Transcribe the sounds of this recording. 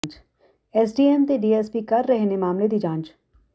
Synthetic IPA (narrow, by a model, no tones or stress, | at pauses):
t͡ʃ | ɛːsɖiːɛmt̪eɖiːespikɐɾːɛɦnemaːmled̪id͡ʒãːnd͡ʒ